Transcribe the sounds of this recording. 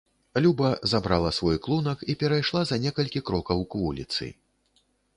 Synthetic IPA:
lʲubɐzabɾalˠɐsvɔjklˠunɐkipʲɛɾajʂlˠazɐnʲɛkɐlʲkʲikɾɔkɐwkvulʲḭt̪sɨ̰

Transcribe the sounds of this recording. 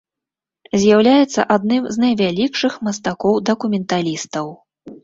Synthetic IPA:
zʲjawlʲajɛt̪sːɐ̰ʔad̪nɨmznɐjvʲalʲikʂɨxmɐst̪akɔwd̪ɐkumʲɛnt̪alʲist̪ɐw

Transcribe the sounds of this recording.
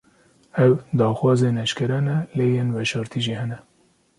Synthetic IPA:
ɛwd̪ɑːxwɑːzeːnɛʃkɛɾɛnɛleːjenvɛʃɑːɾt̪ʰiʒiːhɛnɛ

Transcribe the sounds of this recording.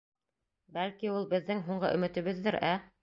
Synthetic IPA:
bælkiulˠbɘ̆ðːɘŋɦuɴɢɤ̰ʔɵ̆mɘ̆t̪ɘ̆βɘðːɘɾæ

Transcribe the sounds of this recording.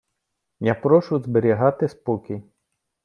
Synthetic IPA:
japɾɔʃʊzbeɾʲiɦɑt̪ɪspɔkʲij

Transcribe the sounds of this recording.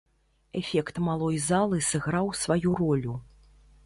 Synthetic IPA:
ɛfʲɛkt̪malˠɔjzalˠɨsɛɣɾawsvajuɾɔlʲu

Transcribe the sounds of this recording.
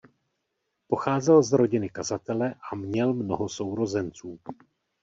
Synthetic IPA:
po̞xaːzɛlzɾo̞ɟɪnɪkazat̪ɛlɛʔamɲɛlmno̞ɦo̞so̞wɾo̞zɛnt͡suː

